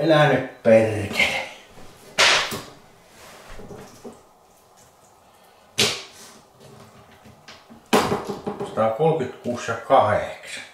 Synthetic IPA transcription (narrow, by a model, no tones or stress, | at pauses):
elænypperk̪e | sɑt̪ɑkolkyt̪kuːsjɑkɑheksɑ̥